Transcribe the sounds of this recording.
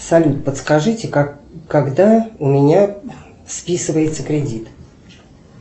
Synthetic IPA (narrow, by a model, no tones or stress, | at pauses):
sɐlʲut̪̚pət̪skɐʐɨtʲɪkkːɐɡd̪aʊmʲɪnʲa | spʲisɨvəjɪt̪səkɾʲɪdʲit̪